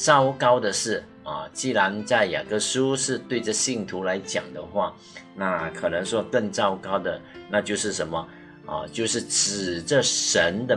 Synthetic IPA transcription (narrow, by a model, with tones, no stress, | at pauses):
ʈ͡ʂɑ˥ʊkɑ˥ʊd̪ə˨ʂɻ̩˥˩ | ɐ̰˨˩t͡ɕi˥˩ɻa˧˥nt͡sa˥˩ɪja̰˨˩kɤ˥˩su˥ʂɻ̩˥˧t̪we˥˧ɪʈ͡ʂɤ˥˧ɕi˥˩ŋt̪ʰu˧˥la˧˥ɪt͡ɕjɑ̰˨˩ŋd̪ə˦xwa˥˩ | na˥˩kʰɤ˨˩nɤ˧˥ŋʂwɔ˥kə˥˧ŋʈ͡ʂɑ˥˧ʊkɑ˥ʊd̪ə˨na˥˧t͡ɕjo˥˧ʊʂɻ̩˥˩ʂə˧˥nmə˨ | ɐ̰˨t͡ɕjo˥˧ʊʂɻ̩˥˩ʈ͡ʂɻ̩˨˩ʈ͡ʂə˥˧ʂə˧˥nd̪ə˧